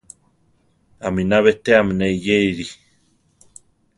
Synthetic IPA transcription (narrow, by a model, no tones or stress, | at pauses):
aminaβet̪eamneijeiɾi